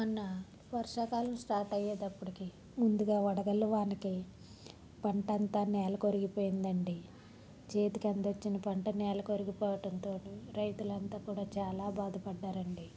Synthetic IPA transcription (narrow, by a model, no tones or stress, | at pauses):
mɐnːɐ | pɐɾʂaːkaːlɐmsʈaːɾʈɐjːeːd̪ɐpːuɽiki | mund̪uɡaːɐɽɐɡɐluʋaːniki | pɐɳʈɐnt̪aːnɛːlɐkoɾiɡipoːjind̪ɐɳɖi | t͡ʃe̞ːt̪ikɐnd̪ot͡ʃːinɐpɐɳʈɐnɛːlɐkoɾiɡipɔːʋɐʈɐnt̪o̞ːʈiɾɐjt̪ulɐnt̪aːkuːɽaːt͡ʃaːlaːbaːd̪ɐpɐɖːaːɾɐɳɖi